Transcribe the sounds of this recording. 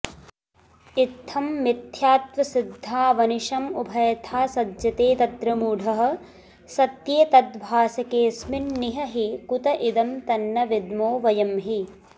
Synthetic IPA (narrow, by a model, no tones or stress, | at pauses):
it̪ʰːɐmːit̪ʰjaːt̪ʋɐsid̪ʱːaːʋɐniʃɐmubʱɐjɐt̪ʰaːsɐdjɐt̪eːt̪ɐt̪ɾɐmuːɖʱɐɦɐ̆ | sɐt̪jeːt̪ɐd̪bʱaːsɐkeːsmɪnːiɦɐɦikut̪ɐʔid̪ɐmt̪ɐnːɐʋid̪moːʋɐjɐmɦi